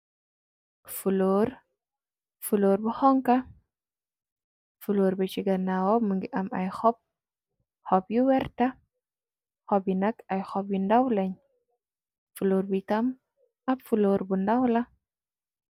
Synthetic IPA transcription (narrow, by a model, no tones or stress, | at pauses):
fuloɾ | fuloɾbəhɔŋka | fuloɾbet͡ʃiɡanawɔmɨŋɡiʔamʔa̰jxɔp̚ | hɔpjuwɛɾta | hɔbjinakajxɔpjindawlaɲ | fuloɾbit̪am | abfuloɾbundawla